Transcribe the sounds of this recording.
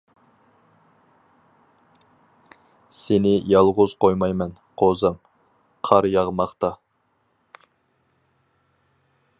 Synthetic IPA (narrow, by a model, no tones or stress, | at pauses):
senɪjɑlˠʁʊz̥qʰojmɑjmɛn | qʰozɨm | qʰɑɾjɑʁmɑχt̪ɑ